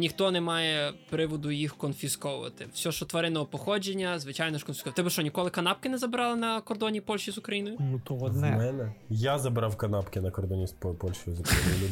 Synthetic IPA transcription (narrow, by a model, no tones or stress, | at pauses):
nʲixt̪ɔnɛmɑjɛpɾɪʋɔd̪ʊjixkɔnfʲiskɔʋʊʋɐ̰t̪ɪfsʲɔʃt͡ʃɔt̪ʋɐɾɪnɔɦɔpɔxɔd͡ʒenʲːɐzʋɪt͡ʃajnɔʃkɔnfʲskɔʋt̪ɛbɪʃt͡ʃɔnʲikɔlˠɪkɐnɑp̚kɪnɛzɐbɪɾɑlˠɪnɐkɔrd̪ɔnʲipɔlʲʃt͡ʃizʊkɾɐjinɔjʊnut̪ɔɔnɛmɛnɛjazɐbɾɑwkɐnɑpkɪnɐkɔrd̪ɔnʲisppɔlʲʃt͡ʃɔjʊzukɾɐjinjʊlʲʊ